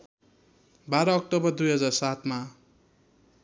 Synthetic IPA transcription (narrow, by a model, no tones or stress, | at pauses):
baɾʌːk̚ʈobʌrd̪ujɦʌd͡zarsat̪ma